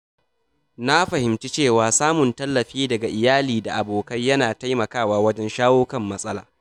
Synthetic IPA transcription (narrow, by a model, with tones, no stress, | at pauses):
na˦ɸɐ˨hɪ˨mt͡ʃi˦t͡ʃeː˦˨waː˨saː˦mʊ˨ntɐ˦lːɐ˨ɸiː˦dɐ˨ɡa˨ʔɪ˨jaː˦liː˨da˨ʔa˨boː˨kɐ˦jjːɐ˦naː˨ta˦jmɐ˨kaː˦˨waː˦wɐ˦d͡ʒɛ˦nʃaː˦woː˦kɐ˦˨mːɐ˦sʼɐ˦la̰ː˨